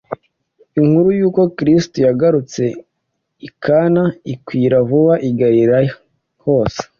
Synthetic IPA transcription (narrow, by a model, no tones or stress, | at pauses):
iŋhuɾujuːko̞kɾistojaɡaɾut͡se̞ | ikʰanaikwiːɾavuβaʔiɡaɾiɾaj | hoːse̥